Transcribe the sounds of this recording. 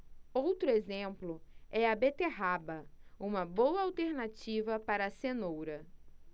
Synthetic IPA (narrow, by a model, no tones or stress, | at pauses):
owt̪ɾʊezẽmplʊɛɐbet̪eɦabɐũmɐbowɐawt̪eɾnat͡ʃivɐpaɾɐsenowɾɐ